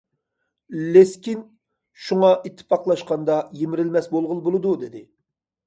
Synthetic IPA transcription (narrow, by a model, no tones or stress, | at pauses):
leskʲin | ʃuŋɑʔit̪ʰːɪ̥pʰɑqlˠɑʃqɑnd̪ɑjemɪɾɪlmɛsbolˠʁəlˠbolˠɨd̪ud̪ɪd̪ɪ